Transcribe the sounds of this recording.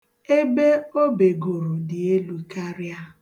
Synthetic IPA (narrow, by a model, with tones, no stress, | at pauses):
e˦be˦o˦be˨ɡo˨ɾo˨dɪ˨e˦lu˦ka˦ɾja˦